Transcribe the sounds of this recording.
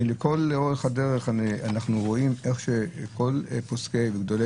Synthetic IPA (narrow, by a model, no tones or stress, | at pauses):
leko̞loʁeχadeʁeχaanaχnuʁo̞imeχʃeko̞lposkeveɡd̪o̞le